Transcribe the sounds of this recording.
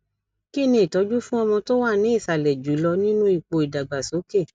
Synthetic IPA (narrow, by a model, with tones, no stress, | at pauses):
ki˦˨nĩ˧˦i˨tɔ˨˦d͡ʒu˦fũ˦ɔ˧mɔ̃˧to˦wa˦˨nĩ˨˦i˦˨sa˨lɛ˨d͡ʒu˨˦lɔ˧nĩ˦nũ˦i˦˨k͡po˧i˨da˨ɡ͡ba˨so˨˦ke˦˨